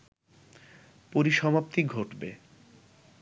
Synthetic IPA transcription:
poɾiʃɔmapt̪iɡʱoʈbe

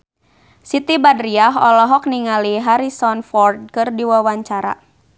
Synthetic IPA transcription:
sit̪ibadɾiaɦɔlɔɦɔk̚niŋaliɦaɾisɔnfɔrd̚kɨrdiwawaɲt͡ʃaɾa̰

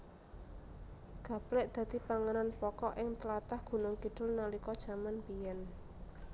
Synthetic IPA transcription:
ɡ̥ä̤plɛʔd̪̥ä̤d̪i̤paŋənanpɔkɔʔɪŋt̪əlat̪ahɡ̥ṳnʊŋkiɖ̪̥ʊ̤lnalikɔd̥ʒ̥a̤manpijɛn

